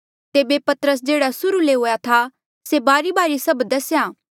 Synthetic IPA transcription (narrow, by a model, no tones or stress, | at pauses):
t̪eːbepɐt̪əɾəs̬d͡ʒeːɽasʊɾuleɦoːjat̪ʰa | sebaːɾibaːɾisɐbd̪ɐsjaː